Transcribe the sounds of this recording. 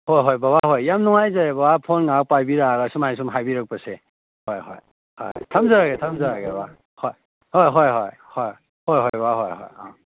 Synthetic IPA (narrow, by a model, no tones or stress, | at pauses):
hɔjɦɔjbabaɦɔjjamnɔŋajzajbawapʰɔnŋaw̚pajbiɾaːɡajsumajs̬umɦajbiɾak̚pasɛ | hɔjɦɔ̰j | hɔjtʰamzaɾaɡɛtʰamzaɾaɡɛba | hɔj | hɔjɦɔjɦɔj | hɔj | hɔjɦɔjbaɦɔjɦɔ̰ja